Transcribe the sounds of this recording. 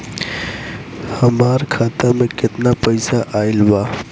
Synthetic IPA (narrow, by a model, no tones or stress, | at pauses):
həmaːɾkʰaːt̪amẽkɪt̪napəɪsaʔaːɪlbaː